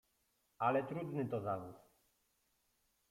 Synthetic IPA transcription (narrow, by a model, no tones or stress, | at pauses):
alɛt̪ɾud̪nɘt̪ɔzavus